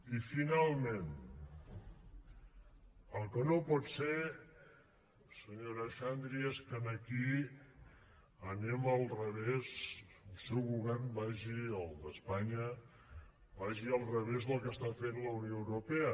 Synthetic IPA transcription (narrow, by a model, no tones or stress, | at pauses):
ifinalˠmẽn | əlˠkənopɔt̪seɾ | səɲoɾəʃand̪ɾieskənəki | əneməlˠrəβezəlˠsɛwɣuβɛrnbaʒiəlˠd̪əspaɲə | baʒiəlˠrəβ̞ezðəlˠkəst̪afenləunioəwɾupeə